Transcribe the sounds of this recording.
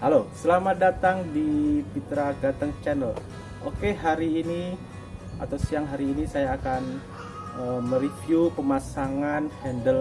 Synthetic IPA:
halosəlamadat̪aŋdipit̪ɾaɡat̪əŋt͡ʃɛnəl | ʔo̰keɦaɾiːni | a̰t̪awsiaŋɦaɾiːnisajaːkan | əməɾifjupəmasaŋanhɛndəl

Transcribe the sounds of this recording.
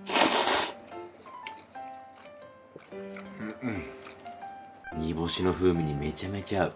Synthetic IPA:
ɲʲibo̞ɕino̞ɸɯ̟ːmʲiɲ̟ime̞t͡ɕame̞t͡ɕaɯ̟

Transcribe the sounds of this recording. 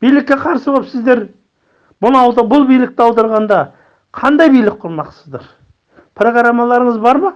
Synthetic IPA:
b̥ijlɪk̚ʲːe̞qʰɑɾsəboəp̪sɪzd̪e̞ɾ | bʊnɑwd̪ɑbʊlˠbijlɪk̚t̪ɪɑwd̪ɑɾʁɑnd̪ɑ | qʰɑnd̪ɑjbijlɪk̚qʰʊɾmɑqsəzd̪ɑɾ | pʰro̞ɡɾamːɑlˠɑɾəɴəzbɑɾmɑ

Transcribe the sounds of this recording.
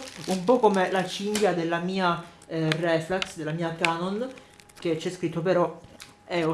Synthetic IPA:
umpɔkomelat͡ʃiŋd̪jad̪elːamiːa | rɛflaksd̪elːamiːakaːnon | k̟et͡ʃːɛskɾit̪ːop̬eɾɔ | ɛo

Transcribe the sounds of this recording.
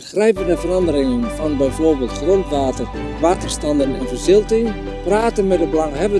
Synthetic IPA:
xrɛjpəndəvərɑndəɾɪŋənfɑnbɛjfoːrbɪːlˠtxrontʋaːtər | ʋaːtərstɑndənɪ̰nvərsɪlˠtɪŋ | praːtənmɛtdəbəlɑŋɦɛbə

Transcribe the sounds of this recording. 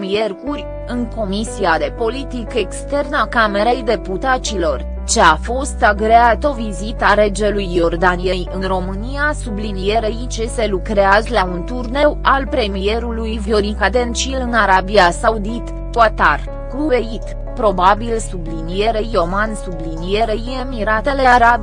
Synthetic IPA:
mije̞rkurʲ | ɨŋko̞misiad̪e̞po̞lit̪ike̞kst̪e̞rnakame̞ɾe̞jd̪e̞put̪at͡ʃilo̞r | t͡ʃe̞afo̞st̪aɡɾeat̪o̞vizit̪aɾe̞d͡ʒe̞lujːo̞rd̪anijejɨnro̞mɨnijasublinije̞ɾeit͡ʃese̞lukɾeazlaunt̪urne̞walpɾe̞mije̞ɾulujvjoɾikad̪e̞nt͡ʃilɨnaɾabiasaud̪it̪ | kat̪ar | kuve̞it̪ | pɾo̞babilsublinije̞ɾejo̞mansublinije̞ɾeje̞miɾat̪e̞le̞aɾab

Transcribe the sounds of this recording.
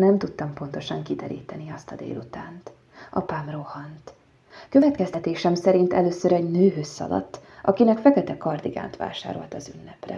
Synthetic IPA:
nɛmt̪ut̪ːɒmpo̞nt̪o̞ʃɒŋkid̪ɛɾḭːt̪ɛniɒst̪ɒd̪ḛːlut̪aːnt̪ | ʔɒpaːmrohɒnt̪ | kø̞vɛt̪kɛst̪ɛt̪eːʃɛmsɛɾint̪ɛløːsøɾɛɟnøːɦøsːɒ̰lɒ̰t̪ːʔɒkinɛkfɛkɛt̪ɛkɒrd̪iɡa̰ːnt̪ʋa̰ːʃa̰ːɾo̞̰lt̪ɒzynːɛprɛ̰

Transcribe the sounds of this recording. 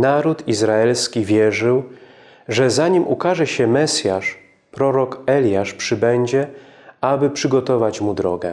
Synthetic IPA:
naɾut̪izɾaɛlskʲivʲjɛʐɘw | ʐɛzaɲimʔṵkaʐɛɕɛmɛsʲjaʂ | pɾɔɾɔkɛlʲjaʂpʂɘbɛɲd͡ʑɛ | abɘpʂɘɡɔt̪ɔvat͡ɕmud̪ɾɔ̰ɡɛ̰

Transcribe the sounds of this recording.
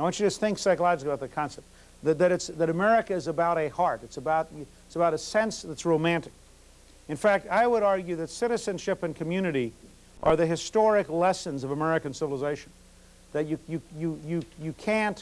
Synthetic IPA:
awɑ̃nt͡ʃɨd͡ʒʌsθɪ̃ŋksaɪkəlˠaɪkɨbaʊðɨkʰɑ̃nsɛp̚ | ðɨðɨɾɨtsðɨɾɨmɛɹɨkɨɨzɨbaʊɾɨhɑɹɾɨtsəbaʊt̚ | ɪtsəbaʊɾɨsɛ̃nsðɨtsɹoʊmæ̃ntɨ̥k̚ | ɨ̃nfæk̚taɪwəɾɑɹɡjʉðɨtsɪɾɨzɨ̃nʃɪpɨ̃nkʰɨmjʉnɨɾi | ʔə˞ðɨɦɨstɔɹɨklɛsɨ̃nzʌvəmɛɹɨkɨ̃n̩sɪvl̩ˠəzeɪʃn̩ | ðɨt͡ʃɨjɨjɨjɨjɨkʰæ̃nt

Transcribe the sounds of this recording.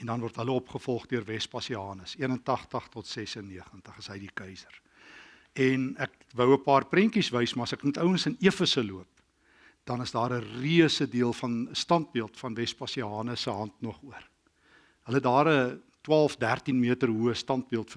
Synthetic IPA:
ɛndɐnvɔrtɦələɔpχəfɔlˠχdyərvɛspɑsiɑːnəsiənəntɑχtəχtɔtsɛsənːiəχəntəχəsɦəjdikəjsər | ɛnæk̚ | vəwəpɑːrprɛŋkisvəjsmɑːɐsækmutəwənsəniəfəsəluəp̚ | d̥ɐnəsdɑːɾəriəsədiəlˠfɐnəstɑnt̚biəlˠtfɐnvɛspɑsiɑːnəsəɦɐntnɔχuər | ɦələətdɑːɾə | twɑːlˠfdærtinmiətərɦuəstɑnt̚biəlˠtfə

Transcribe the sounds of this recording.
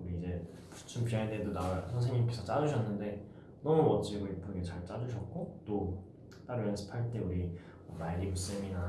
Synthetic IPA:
uɾiːd͡ʑe̞ | pʰu̥t͡ɕʰumpiɦaededonawasʰʌnsʰeŋɲːimk͈esʰʌt͡ɕ͈ad͡ʑuɕ̬ʰʌnːɯnde̞ | nʌmumʌt͡ɕ͈iɡoip͈ʰːɯɡet͡ɕaɭt͡ɕ͈ad͡ʑuɕʰʌt̚k͈ot͈o | t͈aɾɯjʌnsʰɯ̥pʰaɭt͈e̞uɾi | ʌmaiɾimus͈ɯmina

